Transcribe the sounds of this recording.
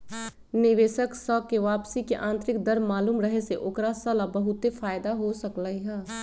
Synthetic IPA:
nɪʋeːʃəksɔːkːeʋaːpsikeʔãːnt̪ɾɪkd̪ɐɾmaːluːmɾɐɦeseʔoːkɾasɐlabɐɦʊt̪efaːjd̪aɦosɐkləiɦɛ̃ː

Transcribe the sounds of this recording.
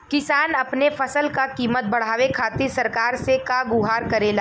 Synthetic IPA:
kɪsaːnɐpnefɐsəlkakiːmət̪̚bɐɽ̤aːʋekʰaːt̪ɪsɐɾkaːɾsekaɡʊɦaːɾkɐɾeːlaː

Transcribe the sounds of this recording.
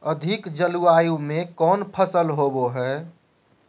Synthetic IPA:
əd̪ʱɪkd͡ʒəluaːjũmẽkɔːnpʰəsəlɦoboɦɛ

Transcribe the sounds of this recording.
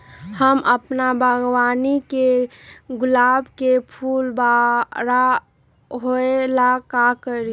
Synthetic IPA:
həmʔəpnabʱəɡwanikeɡʊlaːbkepʰuːlbaɾa | ɦoelakakəɾi

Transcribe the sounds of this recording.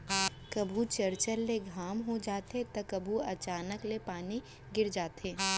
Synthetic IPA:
kɐbʱut͡ʃɐɾt͡ʃəɾleɡʱaːmɦod͡ʒaːt̪et̪ɐkɐbʱuɐt͡ʃaːnəklepaːni | ɡɪɾd͡ʒaːt̪ʰeː

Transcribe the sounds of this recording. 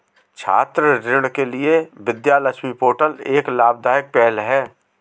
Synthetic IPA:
t͡ʃʰa̰ːt̪ɾəɾɪɽ̃kelɪeʋɪd̪jaːləʃʰmipoːʈəleːklaːbd̪aːjək̚pɛːlɦɛː

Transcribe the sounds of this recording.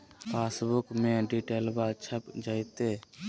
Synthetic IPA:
pʰeːsbʊkmẽɖiʈeːlbat͡ʃʰəpd͡ʒait̪eː

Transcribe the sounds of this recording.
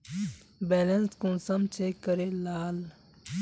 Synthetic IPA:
bɛːlenskũnsəmt͡ʃʰekəɾelaːl

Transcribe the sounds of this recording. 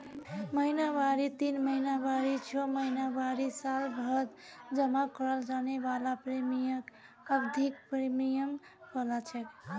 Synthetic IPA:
məinawaɾit̪inməinaʋaɾit͡ʃʰoməinaʋaɾisalbʱəd̪d͡ʒəmakəɾəld͡ʒanebalapɾemijək | əbd̪ʱik̚pɾemijəm | pəlat͡ʃʰɛk

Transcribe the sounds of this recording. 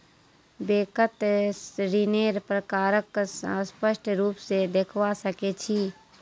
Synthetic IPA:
beːkət̪sɾineːɾpɾəkaːɾəksə̃spəʃʈʰɾuːpsed̪eːkʰwasəket͡ʃʰiː

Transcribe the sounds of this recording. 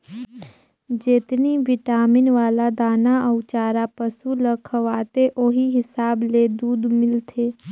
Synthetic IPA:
d͡ʒeːt̪niʋɪʈaːmɪnʋaːlad̪aːnaəʊt͡ʃaːɾapəsuləkʰəʋaːt̪eʔoɦiɦɪsaːbled̪uːd̪mɪlt̪ʰeː

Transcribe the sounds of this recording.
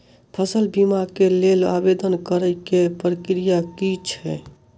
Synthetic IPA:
pʰəsəlbimakelela̰bed̪ənkəɾəjkepɾəkɾijakit͡ʃʰɦɛ

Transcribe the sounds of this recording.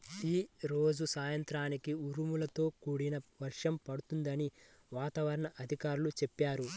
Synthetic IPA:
iːɾo̞ːd͡ʒusaːjɐnt̪ɾaːnikiuɾumulɐt̪o̞ːkuːɽinɐʋɐɾʂɐmpɐɽut̪und̪ɐni | ʋaːt̪aːʋɐɾɐɳɐʔɐd̪ʱikaːɾulut͡ʃepːaːɾu

